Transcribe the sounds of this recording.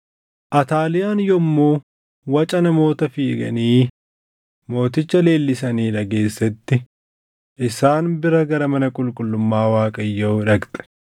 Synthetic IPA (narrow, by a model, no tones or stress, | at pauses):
ʔɐt̪aːlɪjaːnjɔmːoː | wɐt͡ʃʼɐnɐmo̞ːt̪ɐfiːɡɐ̰niː | mo̞ːt̪ɪt͡ʃːɐle̞ːlːɪsɐniːᶑɐɡe̞ːsːɛt̪ːɪ | ʔɪsaːnbɪɾɐɡɐɾɐmɐnɐkʼʊlkʼʊlːʊmːaːwaːkʼɐjːɐɪᶑɐkt̪ʼɛ̥